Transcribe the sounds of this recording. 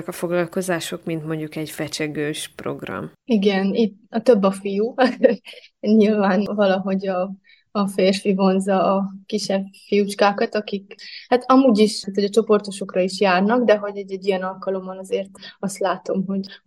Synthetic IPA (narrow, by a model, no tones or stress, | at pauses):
ɛkɒfo̞ɡlɒlko̞zaːʃo̞kmint̪mo̞ɲɟukɛɟfɛt͡ʃɛɡøːʃpro̞̰ɡrɒ̰miɡɛnit̪ɒt̪ø̞bːɒfijuː | ɲilvaːnvɒlɒɦo̞ɟɒː | feːrfivo̞nzɒːkiʃɛbfijut͡ʃkaːkɒt̪ɒkikhat̪ɒmuːɟiʃt̪hoɟɒt͡ʃo̞po̞rt̪oʃo̞krɒiʃjaːrnɒɡd̪ɛɦo̞ɟɛɟɛɟːijɛnɒlkɒlo̞mːɒnɒzeːrt̪ɒst̪laːt̪o̞mɦo̞ɟ